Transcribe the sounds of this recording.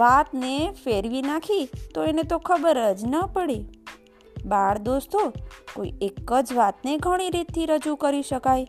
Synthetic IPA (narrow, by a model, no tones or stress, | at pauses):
ʋat̪nefeɾʋinakʰit̪oenet̪okʰəbəɾəd͡ʒnəpəɽi | baɽd̪ost̪oko̰ḭekːəd͡ʒʋat̪neɡʱəɽ̃iɾit̪ʰːiɾəd͡ʒukəɾiʃəkaj